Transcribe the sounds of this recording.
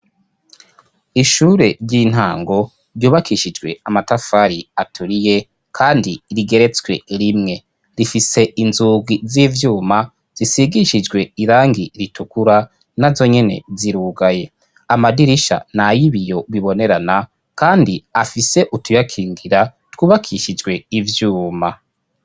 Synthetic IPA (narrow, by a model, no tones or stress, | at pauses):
iʃuːɾe̞ɾɟin̥haːŋɡo̞ | ɾjuːβakʰiʃid͡ʒɡwe̞amatafaɾiatʰuɾije̞ | kʰaːndiɾiɡe̞ɾe̞t͡swe̞̰ɾimŋe̞ | ɾifise̞ʔinzuːɡwiziːvjuːma | z̥isiɡiʃid͡ʒwe̞iɾaːŋɡiɾitukuɾa | nazo̞ɲe̞ne̞̰ziɾuːɡaje̞ | amadiɾiʃa̰najiβijo̞βiβo̞ne̞ɾana | kaːndiafise̞ʔutujakʰiːŋɡiɾa | twuːβakʰiʃid͡ʒɡwe̞ivjuːma